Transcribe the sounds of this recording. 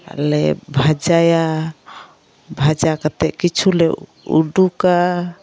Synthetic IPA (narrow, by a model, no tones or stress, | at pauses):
lɛbʱad͡ʒaja | bʱad͡ʒakat̪ɛʔkit͡ʃʰulɛ | ṵɖuka